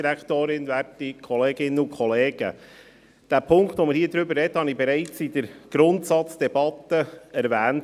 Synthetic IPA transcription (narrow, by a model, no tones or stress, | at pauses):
iɾækt̪oːɾɪnvæɾtikʰɔleːɡɪnːəʊkʰχɔleːɡ̥ə̰ | d̥æːpʰʊŋktʋoməɾhiːəd̪ɾʏbəɾrɛdəhɑnibɛɾaɪt͡sɪd̥əɾɡ̥ɾʊntsɑt͡sd̪̥ɛbɑt̪əɛɾvæːnt